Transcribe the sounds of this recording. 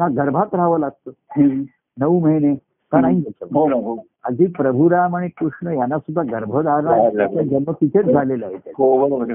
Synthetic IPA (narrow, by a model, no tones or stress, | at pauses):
naɡəɾbʱat̪ɾaʋəlaɡ̚t̪əɦ | nəʋuməjne | k̪ənãɦĩɡət͡ɕəʋɦonoɦo | əd͡zʱiːpɾəbʱuɾamaɽikɾuʂɳəjanːasud̪ʱːaɡəɾbʱəd̪aɾaaad͡ʒənmət̪it̪ʰet͡sd͡zʱalelaɦet̪eɦoʋəɾəɾ